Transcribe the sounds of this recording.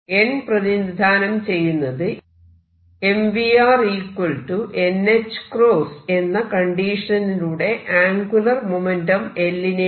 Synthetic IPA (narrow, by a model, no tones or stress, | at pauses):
e̞nprɐðind̪ʱaːnɐmt͡ɕe̞jːunːɐðɨ | e̞mʋiaːriːkwolʈuʔe̞nːet͡ɕːɨ̥kro̞ːse̞nːɐkɐɳɖiːʂɐnɐniluːɽe̞ʔaːŋɡulɐrmomendɐme̞lːine